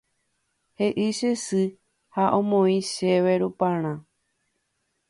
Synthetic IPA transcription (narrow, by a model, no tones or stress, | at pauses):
heʔɨʃesɨ | haʔõmõĩʃeʋeɾupãɾ̃ã